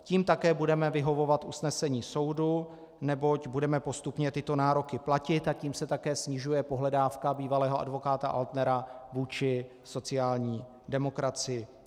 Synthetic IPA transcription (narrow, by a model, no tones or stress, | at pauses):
ciːmt̪akɛːbudɛmɛvɪɦo̞vo̞vat̪ʔusnɛsɛɲiːso̞wdu | nɛbo̞cbudɛmɛpo̞st̪upɲɛt̪ɪt̪o̞naːɾo̞kɪplacɪt̪aciːmsɛt̪akɛːsɲɪʒujɛpo̞ɦlɛdaːfkabiːvalɛːɦoa̰dvo̞kaːt̪aʔa̰lt̪nɛɾavuːt͡ʃɪ | so̞t͡sɪaːlɲiː | dɛmo̞kɾat͡sɪɪ